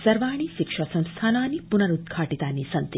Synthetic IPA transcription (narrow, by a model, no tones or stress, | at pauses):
sɐɾʋaːɳ̃iːʃikʂɐsɐ̃m̃st̪ʰaːnaːnipunɐɾud̪̚kʰaːʈit̪aːnisɐnt̪i